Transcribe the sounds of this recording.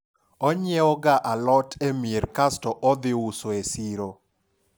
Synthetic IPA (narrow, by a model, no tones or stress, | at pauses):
ɔɲɪɛɔɡaʔalɔtʰemieɾkastɔʔɔd̪ɪusoesiɾo